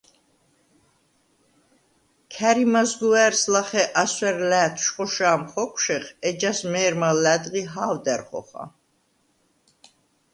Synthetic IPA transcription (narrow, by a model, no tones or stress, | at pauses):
kʰæɾimazɡuɛɾslaχɛʔaswɛɾlæːt̪ʰʃqʼɔʃaːmχɔkʷʰʃɛχɛd͡ʒasmɛːɾmalæd̪ʁiɦaːwd̪ɛɾχɔ̰χa̰